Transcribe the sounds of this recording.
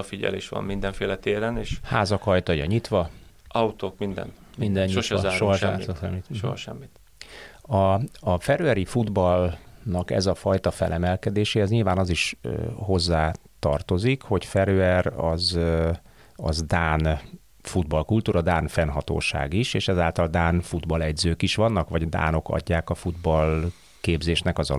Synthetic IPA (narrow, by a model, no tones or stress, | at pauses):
fiɟɛ̰lḛːʃʋɒ̰mmind̪ɛɱfeːlɛt̪eːɾɛneːʃhaːzɒkɒjt̪ɒjɒ̰ɲit̪ʋɒ | ɒut̪oːkmind̪ɛ̰nt̪mind̪ɛɲːʃʃoɦɒʃa̰ːzʃɛmːit̪ʃo̰ɦɒ̰ʃɛ̰mːit̪ | ɒːfɛɾøɛɾifud̪bɒlnɒkɛ̰zɒfɒjt̪ɒfɛ̰lʔɛmɛlkɛd̪eːʃeːɛzɲiːlvaːnɒziʃøho̞zːaː | t̪ɒ̰rt̪o̞zikho̞cfɛɾøɛrɒz | ɒ̰zd̪aːn | fud̪bɒlkult̪uːɾʔɒd̪aːnfɛnɦɒt̪o̰ːʃa̰ːɡiʃeːʃɛzaːlt̪ɒld̪aːnfud̪bɒlɛɟzøːkiʃʋɒnːɒkʋɒɟd̪a̰ːno̞kɒ̰ɟːaːkɒfud̪bɒl | keːbzeːʃnɛkɒzɒ̰